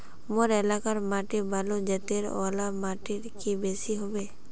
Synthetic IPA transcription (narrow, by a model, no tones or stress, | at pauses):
moɾɛlakaɾmaːʈebalod͡ʒɛt̪eɾɔ̰lamaːʈiɾkibesiɦobe